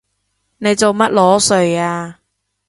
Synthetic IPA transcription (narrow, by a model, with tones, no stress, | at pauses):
ne˨˧jt͡so˨wmɐ˥t̚lɔː˨˥sɵ˨ɥaː˧